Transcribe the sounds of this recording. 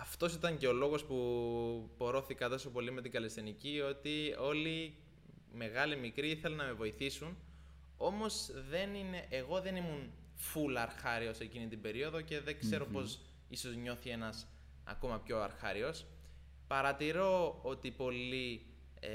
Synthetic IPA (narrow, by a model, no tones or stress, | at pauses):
ɐft̪o̞s̬it̪ɐɲce̞o̞lo̞ɣo̞spu | po̞ɾo̞θikɐt̪o̞so̞po̞lime̞t̪iŋɡɐle̞st̪inicio̞t̪io̞li | me̞ɣɐlimikɾiiθe̞lɐnːɐme̞vo̞iθisun | o̞mo̞sðe̞nine̞ʔːɣo̞ðe̞nimun | fulɐɾxɐɾio̞se̞cinit̪ibe̞ɾio̞ðo̞ce̞ðekse̞ɾo̞po̞s | iso̞zɲo̞θie̞nɐs | ɐ̰ko̞mɐpço̞ɐ̰ɾxɐɾio̞s | pɐɾɐt̪iɾo̞ot̪ipo̞li